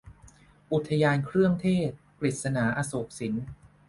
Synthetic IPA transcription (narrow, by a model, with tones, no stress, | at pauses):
ʔu˨˩t̪ʰːa˧jaː˧nkʰɾɯ˥˩əŋt̪ʰeː˥˩t̪̚pɾli˨˩t̪̚sa˧naː˩˦ʔa˧soː˨˩k̚si˩˦n